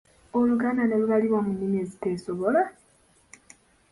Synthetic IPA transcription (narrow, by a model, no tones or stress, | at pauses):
oluɡaːnaneluβaliβomunːimiezite̞ːsoβola